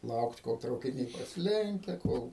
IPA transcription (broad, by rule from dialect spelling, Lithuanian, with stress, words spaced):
ˈlˠɐʊkt koːlˠ trɐʊkʲɪˈnʲɛɪ prɐsʲɪˈlʲɛŋʲkʲɛ ˈkoːlˠ